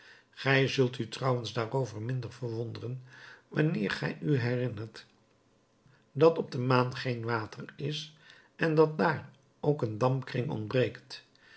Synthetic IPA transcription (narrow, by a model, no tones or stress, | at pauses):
χɛjzɵlˠtytrɑwənzdaːrowvəɹmɪndəɹvəɹʋɔndərənʋɑ̰nɪːɹχɛ̰jyɦɛrɪnərt | dɑtɔb̚dəmaːnχejnʋaːtʰərɪs | ʔɛndɑt̚daːr | owkəndɑmpkrɪŋɔ̰nd̚brejkt